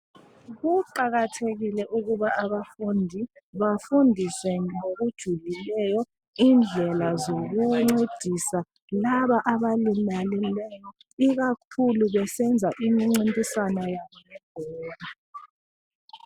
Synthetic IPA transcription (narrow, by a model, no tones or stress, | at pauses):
ɣuǃaɣatʰeɣilɛʔuɣuβaaβafundʱiβafundʱiswɛŋoɣud̥ʒ̥ʱulilɛjɔ | iːnd͡ɮʱɛlazoɣuŋ͡ǀed̥ʱisa | laβaʔaβalimalilɛjɔ | iɣak̚ʰuluβɛsɛnd͡zʱaʔimiŋ͡ǀintʼisanajaβɔjɛɡ̥ʱɛːβa